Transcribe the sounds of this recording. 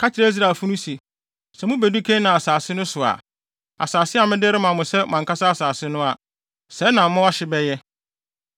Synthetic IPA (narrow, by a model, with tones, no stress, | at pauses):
kʰa˦t͡ɕʰɪ˨ɾa˦i˦s̬ɾa˨fu˦nʊ̃˦si˨ | sɛ˨mʊ̃˦bæ˨du˦kʰẽ˦nã˨a˨saː˨sɪ˦nʊ̃˦sʊ˨a̰˨ | a̰˨saː˨sɪ˦a˨mɪ̃˦dɪ˦ɾɪ˦mã˨mʊ̃˨sɛ˦˨mã˨ka˦sa˦a˦˨saː˨sɪ˦nʊ̃˦a˨ | sɛ˨˦nã˨mʊ̃˦a˦ɕɪ˨bɛ˦jɛ˦